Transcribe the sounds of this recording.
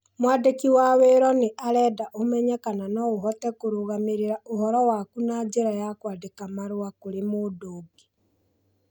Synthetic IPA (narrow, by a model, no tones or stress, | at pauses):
mwadekiwaweɾɔneʔaɾɛːdaʔomɛɲɛkananɔoɦɔtɛkoɾoɣameɾeɾaohɔɾɔwakunad͡ʒeɾajakwadekamaɾowakoɾemodoːɡe̥